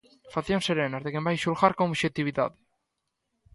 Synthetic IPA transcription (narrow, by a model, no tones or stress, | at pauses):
faθjonseɾeːnaɾt̪ekembajʃulxaɾkoːβʃet̪iβiða̰ðe